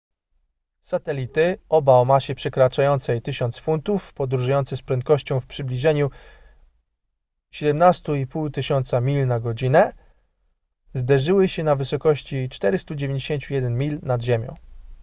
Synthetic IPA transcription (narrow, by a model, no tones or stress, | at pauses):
sat̪ɛlʲit̪ɘɔbaɔmaɕɛpʂɛkɾat͡ʂajɔnt̪sɛjt̪ɘɕɔnt̪sfunt̪ufpɔd̪ɾuʐujɔnt̪sɘspɾɛnt̪̚kɔɕt͡ɕɔ̃w̃fpʂɘblʲiʐɛɲu | ɕɛd̪ɛmnast̪uipuwt̪ɘɕɔnt̪samʲilnaɡɔd͡ʑinɛ | zd̪ɛʐɘwɘɕɛnavɘsɔkɔɕt͡ɕit͡ʂt̪ɛɾɘst̪ud͡ʑevʲẽɲd͡ʑeɕeɲt͡ɕujɛd̪ɛnmʲilnad̪ʑemʲjɔ̰̃w̃